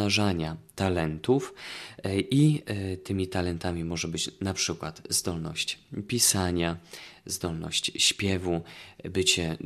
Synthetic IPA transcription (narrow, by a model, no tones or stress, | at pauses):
aʐaɲat̪alɛnt̪uf | ʔit̪ɘmʲit̪alɛnt̪amʲimɔʐɛbɘt͡ɕnapʂɘkwat̪zd̪ɔlnɔ̰ɕt͡ɕpʲisaɲazd̪ɔlnɔ̰ɕt͡ɕɕpʲjɛvubɘt͡ɕɛ